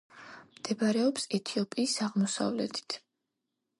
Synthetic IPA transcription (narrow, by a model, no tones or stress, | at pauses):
md̪̥ɛbaɾɛɔpsɛt̪ʰiɔpʼiːsaʁmɔsa̰vlɛ̰t̪ʰi̥t̪ʰ